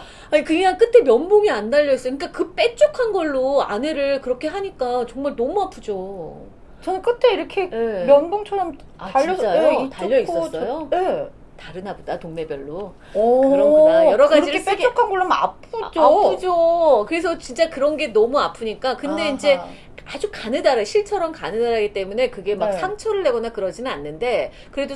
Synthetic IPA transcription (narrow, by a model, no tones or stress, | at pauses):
aɲikɯɲaŋk͈ɯtʰe̞mjʌnboŋiandaʎːʌis͈ik͈akɯp͈e̞t͡ɕ͈okʰanɡʌɭːoa̰ne̞ɾɯɭkɯɾʌkʰe̞ɦaɲik͈at͡ɕʌŋmaɭnʌmuapʰud͡ʑo | t͡ɕʌnɯk͈ɯtʰeiɾʌkʰeemjʌnboŋt͡ɕʰʌɾʌm | at͡ɕaiːʌt͡ɕataʎːʌiʌʌjoe | taɾɯnabodatoŋne̞bjʌɭːo | kɯɯɾʌajʌɾʌɡad͡ʑiɾɯes͈eɡokʰanɡoɭːʌma̰pʰɯd͡ʑopʰɯd͡ʑokɯɾe̞s̬ʰʌt͡ɕint͡ɕ͈akɯɾʌnɡe̞nʌmuapʰɯɲik͈akɯnde̞ind͡ʑe̞ | ad͡ʑukanɯdaɾaɕʰiɭt͡ɕʰʌɾʌmkanɯdaɾaɡit͈e̞mune̞kɯɡe̞maksʰaŋt͡ɕʰʌɾɯɭːe̞ɡʌnakɯɾʌd͡ʑinɯnanːɯnde̞ | kɯɾe̞do